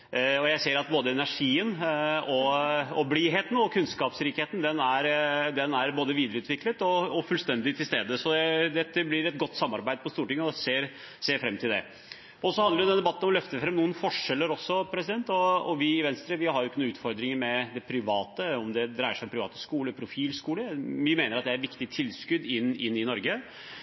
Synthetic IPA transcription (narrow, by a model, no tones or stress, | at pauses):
ɔjæɪseːɾɑt̪̚boːd̪əɛnæʂiːənɔɔbliːɦeːt̪n̩ɔkʰʉnskɑːpsɾiːkheːt̪n̩d̪ɛnæɾd̪ɛnæɾboːd̪əʋiːd̪əɾəʉːt̪ʋɪklət̪ɔɔfʉlst̪ɛnd̪ɪt̪ʰɪlst̪eːd̪əsɔd̪ɛd̪ɛt̪ːəblɪɾɛt̪ɡɔt̪ːsɑmːɑɾbæɪd̪əpʰɔst̪uːɾʈɪŋːəɔseːɾ | seːɾfɾɛmt̪ʰɪld̪ɛ̰ | ɔsɔhɑnd̪əɾjʊd̪ɛnd̪ɛbɑt̪ːnɔmɔlœft̪əfɾɛmnuːənfɔʂɛlːəɾɔsːɔpʰɾɛsɪd̪ɛnt̪ɔɔʋɪɪʋɛnst̪ɾəʋɪɦɑɾjʊɪkːənuːʉːt̪fɔɾd̪ɾɪŋəɾmɛd̪ɛpʰɾɪʋɑːt̪əɔmd̪ɛd̪ɾæɪəʂæɪɔmpʰɾɪʋɑ̰ːt̪ə̥skuːləpʰɾʊfiːlskuːləʋɪmeːnəɾɑt̪d̪ɛæɾʈʋɪkt̪ɪt̪ʰɪlskʉd̪ɪnːɪnːɪnɔɾɡə